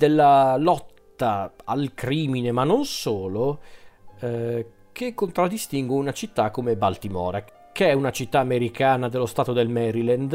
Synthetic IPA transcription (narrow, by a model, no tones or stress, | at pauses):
d̪elːalɔt̪ːaalkɾiːminemanːonsoːlo | kʰekːont̪ɾad̪ːist̪iŋɡweunat͡ʃit̪ːakːomebalt̪imɔ̰ːɾa | keɛunat͡ʃit̪ːaːmeɾikaːnad̪elːost̪aːt̪od̪elmɛɾilɛnd̪